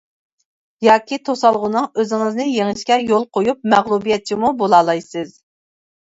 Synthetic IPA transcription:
jɑːkʲit̪ʰosɑlˠʁʊnɨŋøzɪŋɨznɨjeŋɨʃkʲɛjolˠqʰojup̚mɛʁlˠubijɛt͡ʃʰimubolˠɑːlˠɑjsɨz

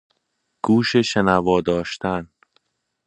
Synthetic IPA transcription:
ɡ̥uːʃeʃenævɒːd̪ɒːʃt̪æn

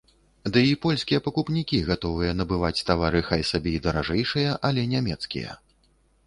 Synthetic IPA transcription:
d̪ɨipɔlʲsʲkʲijɐpɐkupnʲikʲiɣat̪ɔvɨjɐnɐbɨvat͡sʲt̪avaɾɨxajsabʲɛid̪ɐɾaʐɛjʂɨjɐʔɐlʲɛnʲamʲɛt̪skʲḭjɐ̰

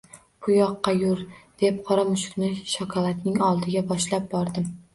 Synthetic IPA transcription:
pʰʊjɒqːɑjʊɾd̪̥e̞p̚qʰɒɾamʊʃʊ̥ɾnɪʃɒkʰɒlˠat̪nɪŋɒlˠd̪ɪɡʲabɒʃlap̚bɒɾd̪ɪm

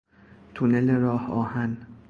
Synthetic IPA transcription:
t̪ʰuneleɾɒːhɒːhæn

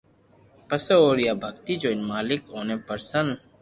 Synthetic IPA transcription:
pəseoːɾjaːbʱəɡt̪iːd͡ʒoːɪnmaːlɪkɦoːneːpəɾsən

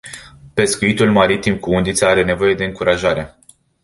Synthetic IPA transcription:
pe̞skuit̪ulmaɾit̪imkuund̪it̪saaɾe̞ne̞vo̞je̞d̪e̞ɨŋkuɾʔaʒaɾe̞

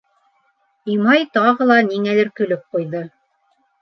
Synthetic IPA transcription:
imɑjt̪ɑʁɤ̆lˠɑniŋælɘɾkɵ̆lɵp̚qujðɤ

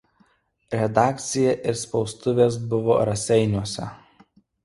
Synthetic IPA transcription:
ɾʲɛd̪ɑːkt̪sʲɪjɛʔɪɾspɒʊst̪ʊʋʲeːsbʊʋo̰ːɾɐsʲɛɪnʲuɔsʲɛ̰

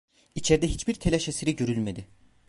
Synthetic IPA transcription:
it͡ʃʰeɾd̪ɛɦit͡ʃbiɾt̪ʰelʲɛʃeseɾiɟøɾylʲmed̪ɪ

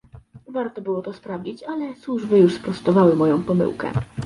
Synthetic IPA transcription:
vaɾt̪ɔbɘwɔt̪ɔspɾavd͡ʑit͡ɕalɛswuʐbɘjuʂspɾɔst̪ɔvawɘmɔjɔ̃w̃pɔmɘ̰wkɛ̰

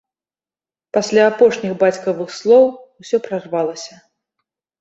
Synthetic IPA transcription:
pasʲlʲaːpɔʂnʲixbat͡sʲkɐvɨxslˠɔwusʲɔpɾarvalˠɐsʲɐ

